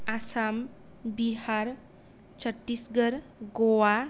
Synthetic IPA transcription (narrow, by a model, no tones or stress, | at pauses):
asam | bihaɾ | t͡ʃʰəʈːisɡəɾɡowa